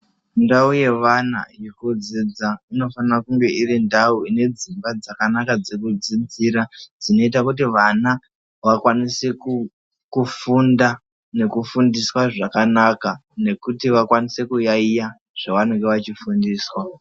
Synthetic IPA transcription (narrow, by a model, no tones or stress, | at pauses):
ndauje̞ʋana̰jikud͡zid͡zaino̞fanakuŋɡe̞irindauine̞d͡zimbad͡zakanakad͡zekud͡zid͡ziɾad͡zino̞itakutiʋana | ʋakwaniseku | kufunda | ne̞kufundiswaʐakanakane̞kutiʋakwanise̞kujaija | ʐ̥aʋanuŋɡe̞ʋat͡ʃifundiːswa